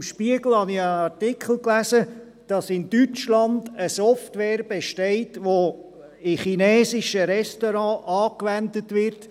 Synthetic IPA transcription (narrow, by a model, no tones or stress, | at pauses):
mʃpiəɡl̩hɑnɪənɑɾtikʰl̩klæsə | d̥ɑsɪndyt͡ʃlɑndəsɔftʋɛːɾb̥eʃtɛɪtʋo | ɪχinɛːsɪʃəɾɛstoɾɑ̃ʔɑːkʋændətʋɪɾt